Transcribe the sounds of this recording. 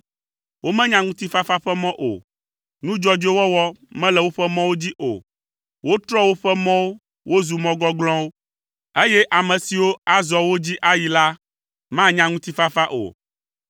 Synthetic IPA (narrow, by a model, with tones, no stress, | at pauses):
wo˦mɛ̃˦ɲã˦ŋũ˦t̪i˦fa˦fa˦ɸɛ˦mɔ̃˦ʔo̰˨ | nũ˦d͡ʒɔ˦d͡ʒo˦wɔ˦wɔ˦mɛ̃˦lɛ˨wo˦ɸɛ˦mɔ̃˦wo˦d͡ʑi˦ʔo̰˨ | wo˦t̪ɾɔ˦wo˦ɸɛ˦mɔ̃˦wo˦ | wo˦zu˨mɔ̃˦ɡɔ˦ɡlɔ̃˦wo˦ | e˦jɛ˦ʔa˨mɛ̃˨si˨wo˦a˨zɔ˨wo˦d͡ʑi˦ʔa˦ji˨la˦ | mã˦ɲã˦ŋũ˦t̪i˦fa˦fa˦ʔo̰˨